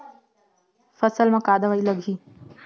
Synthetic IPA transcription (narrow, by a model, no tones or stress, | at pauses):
fɐsəlmãːkaːd̪əʋaːiːləɡʱiː